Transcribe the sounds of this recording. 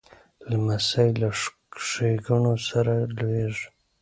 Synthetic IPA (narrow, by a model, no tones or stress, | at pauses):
lamasajla | ʂeɡunosaɾalweʐ